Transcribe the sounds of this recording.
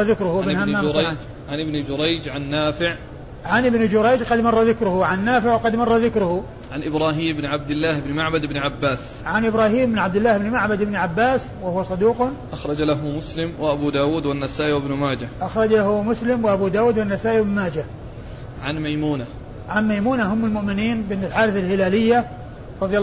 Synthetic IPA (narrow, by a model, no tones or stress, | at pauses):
ðɪkɾʊhʔɪbhamːaː | ʕanʔɪbnd͡ʒʊɾˤɑjd͡ʒʕanːaːfɪʕ | ʕanʔɪbnɪd͡ʒʊɾˤɑjd͡ʒqɑd̪mɑrˤːɑðɪkɾʊhʊʕanːaːfɪʕwɑqɑd̪mɑrˤːɑðɪkɾʊhʊ | ʕanʔɪbɾˤɑːɦiːmɪbnʕab̚d̪ɪlːaːhɪbnmaʕbad̪ɪbnʕabːaːs | ʕanʔɪbɾˤaːɦiːmbɪnʕab̚d̪ɪlːaːhɪbnɪmaʕbad̪ɪbnʕabːaːs | wahʊwsˤɑd̪uːqʔaxɾˤɑd͡ʒalaɦʊmʊslɪmwɪʔabuːd̪aːwuːd̪wanːasaːʔiwɪbnʊmaːd͡ʒaʔaxɾˤɑd͡ʒlahʊmʊslɪmwɪʔabuːd̪aːwuːd̪wanːasaːʔiɪbɪnmaːd͡ʒa | ʕanmajmuːna | ʕanmajmuːnaɦʊmːɪlmʊʔmɪniːnbɪnt̪ɪlħaːɾɪθalhɪlaːlɪjːa | ɾˤɑðˤjɑ